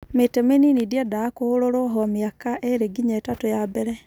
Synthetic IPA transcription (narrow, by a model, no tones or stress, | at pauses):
metemeninidiadaːkooɾoɾɔɦɔmiakaʔeɾeɡiɲaetatojabɛɾɛ